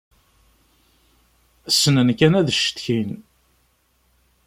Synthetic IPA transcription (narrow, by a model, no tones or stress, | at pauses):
əsːənənkænæðəʃə̥t̪çin